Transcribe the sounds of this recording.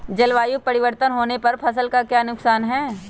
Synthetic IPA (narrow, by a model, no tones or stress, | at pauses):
d͡ʒɐlʋaːjupɐɾɪʋəɾt̪ənɦoːnepɐɾpʰɐsəlkakjaːnʊksaːnɦɛː